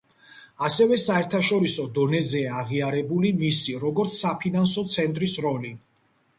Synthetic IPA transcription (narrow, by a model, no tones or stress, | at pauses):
asɛvɛsaɛɾt̪ʰaʃɔɾisɔd̪ɔnɛzɛaːʁiaɾɛbulimisiɾɔɡɔɾt̪sʰsapʰinansɔt̪sʰɛnt̪ʼɾisɾɔli